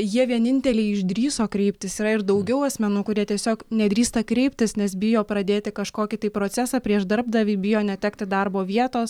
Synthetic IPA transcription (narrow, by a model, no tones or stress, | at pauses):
jiɛʋʲiɛnʲɪnʲt̪ʲɛlʲɛɪɪʒd̪ʲɾʲiːsoːkɾʲɛɪpʲt̪ʲɪsiːɾɐɪɾd̪ɐʊɡʲɛʊɐsʲmʲɛnuːkʊɾʲiɛt̪ʲiɛsʲoːknʲɛd̪ɾʲiːst̪ɐkɾʲɛɪpʲt̪ʲɪsnʲɛsbʲɪjoːpɾɐd̪ʲeːt̪ʲɪkɐʃkoːkʲɪt̪ɐɪpɾoːt͡ssʲæːsɑpʲɾʲiɛʃd̪ɐɾb̚d̪ɐʋʲibʲɪjoːnʲɛt̪ʲæːkt̪ʲɪd̪ɐrboːʋʲiɛt̪oːs